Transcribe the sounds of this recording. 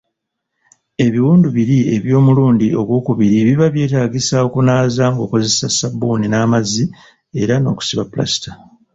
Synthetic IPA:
e̞βiwuːnduβiɾie̞βjo̞ːmuluːndio̞ɡwo̞ːkuβiɾiβiβaβje̞ːtaːɡisao̞kunaːzaŋɡo̞ːko̞ze̞sasabuːninaːmazi | e̞ɾano̞̰ːku̥siβapula̰si̥ta

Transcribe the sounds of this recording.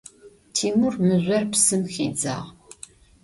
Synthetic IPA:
t̪ʰimʊɾməzʷaɾpsəmxid͡za̰ʁ

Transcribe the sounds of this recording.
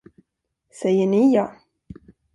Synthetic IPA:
sɛjːəɳɪjɑː

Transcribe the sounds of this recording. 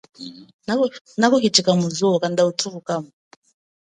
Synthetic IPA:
na | nakɔkitikamuzuɔkandautʰuvukamu

